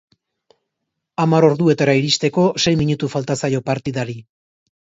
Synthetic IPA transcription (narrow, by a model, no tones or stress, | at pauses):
amaɾo̞ɾðue̞t̪aɾaiɾist̪e̞ko̞se̞jmiɲut̪ufalt̪asajo̞paɾt̪iðaɾi